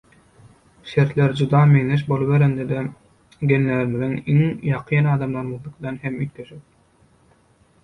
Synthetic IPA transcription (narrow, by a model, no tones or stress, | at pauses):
ʃe̞ɾt̪lʲeɾd͡ʒud̪ɑmeŋneʃ̬bo̞lˠɯβeɾend̪ed̪e | ɡʲenːeɾmiðiŋiŋjɑqʰɯːnɑːd̪ɑmlˠɑɾmɯðlˠɯqd̪ɑnhe̞myt̪ːʰeʃip̚